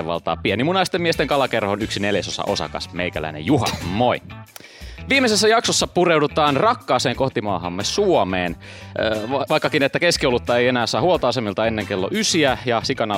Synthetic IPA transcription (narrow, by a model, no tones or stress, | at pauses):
eʋɑ̰lt̪ɑ̰ːpienimunɑist̪emːiest̪eŋkɑlɑkerhonyksineljæsosɑ̰ʔo̞sɑ̰kɑ̰smeikælæ̰inḛjuɦɑ̰moi | ʋiːmeses̬ːæjɑksosːɑpurewdut̪ɑːnrɑkːɑːseːŋko̞ht̪imɑ̰ːɦɑ̰mːesuomeːn | ʋɑikːɑkinet̪ːækeskiolːut̪ːɑeienæːsɑːhuolt̪ɑːsemilt̪ɑenːeŋkelːo̰ʔysiæjɑsikɑnɑ